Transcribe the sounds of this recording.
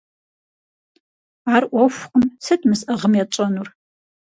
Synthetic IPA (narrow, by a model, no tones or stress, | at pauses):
aːrʔʷɔfʷqəmsɨdmɨsɐʁəmjat͡ʃʼɐnur